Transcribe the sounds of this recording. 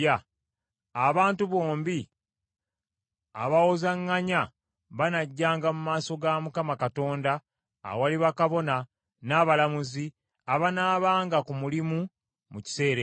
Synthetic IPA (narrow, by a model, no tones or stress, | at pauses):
a | aβaːntuβo̞ːmbi | a̰βawozaŋːaɲa | βanaɟːaːŋɡamumaːso̞ɡamukamakato̞ːnda̰ | waliβakaβo̞na | naβalamuzi | aβanaːβaːŋɡakumulimu | muci̥se̞ːɾe